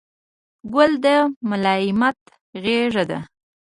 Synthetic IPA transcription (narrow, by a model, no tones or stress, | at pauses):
ɡʊld̪əmʊlɑɪmat̪ | ɣeʐad̪a̰